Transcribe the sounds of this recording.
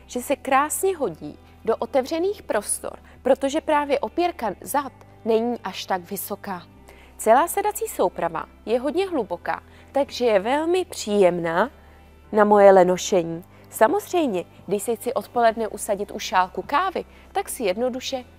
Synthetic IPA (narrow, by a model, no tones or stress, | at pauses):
ʒ̥ɛsɛkɾaːsɲɛɦo̞ɟḭː | do̞ʔo̞t̪ɛvr̝ɛniːxpɾo̞st̪o̰ɾ | pɾo̞t̪o̞ʒɛpɾaːvjɛʔo̞pjɛɾkazat̪ | nɛɲiːʔaʃt̪aɡvɪso̞kaː | t͡sɛlaːsɛdat͡siːso̞wpɾava̰ | jɛɦo̞dɲɛɦlubo̞ka̰ː | t̪aɡʒɛjɛvɛlmɪpr̝̥iːjɛmnaː | namo̞jɛlɛno̞ʃɛɲiː | samo̞zr̝ɛjmɲɛ | ɡdɪʃsɛxt͡sɪʔo̞t̪po̞lɛdnɛʔusaɟɪt̪ʔuʃaːlkukaːvɪ | t̪aksɪjɛdno̞duʃɛ